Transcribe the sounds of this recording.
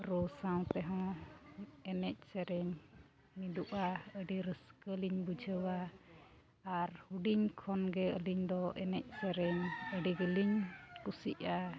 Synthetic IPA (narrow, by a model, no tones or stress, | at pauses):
ɾusaw̃t̪ɛɦɔ̃ | ɛnɛc̚ˀsɛɾɛɲ | mid̪uʔaəɖiɾəskəliɲbud͡ʒʱəwa | aɾhuɖiɲkʰɔnɡɛəliɲd̪ɔʔɛnɛc̚ˀsɛɾɛɲəɖiɡəliɲkusḭʔa